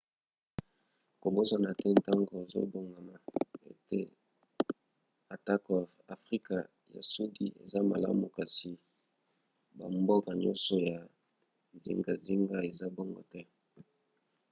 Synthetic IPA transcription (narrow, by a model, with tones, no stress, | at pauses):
ko˨bo˦sa˨na˨tɛ˦n˨ta˦ŋɡo˨e˨zo̰˦bo˨ŋɡa˨ma˨ḛ˦˨tḛ˦ | a˨ta˦kɔ˨ | a˨fʁi˦ka˨ | ja̰˨su˦di˨ḛ˨za˦ma̰˨la̰˦mu˨ka˨si˨ | ba̰˨mbo˦ka˨ɲɔ̰˦nsɔ˨ja˨ | zḭ˦ŋɡa˨zi˦ŋɡa˦e˨za˦bo˦ŋɡɔ̰˨tɛ˦